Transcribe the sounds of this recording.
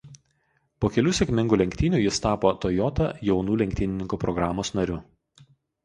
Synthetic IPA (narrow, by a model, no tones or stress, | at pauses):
poːkʲɛlʲuːsʲɛkʲmʲɪŋɡuːlʲɛŋʲkʲt̪ʲiːnʲuːjɪst̪ɑːpoːt̪ɔjɔt̪ɐjɛʊnuːlʲɛŋʲkʲt̪ʲiːnʲɪnʲɪŋkuːpɾɔɡɾɑːmoːsnɐɾʲʊ